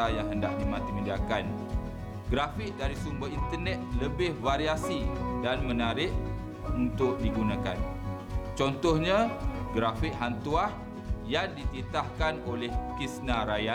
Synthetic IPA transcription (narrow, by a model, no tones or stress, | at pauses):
ajaŋɦəndaʔdimãt̪iməndiakan | ɡɾafɪk̚daɾisumbəint̪ərnɛt̪̚ləbɪhvaɾiasidanmənaɾɪʔ | unt̪ʊʔ̚diɡunãka̰n | t͡ʃɔnt̪ɔhɲãɡɾafiʔ̚ɦant̪uah | jaŋdit̪it̪ahkanolɛhkisnaɾaja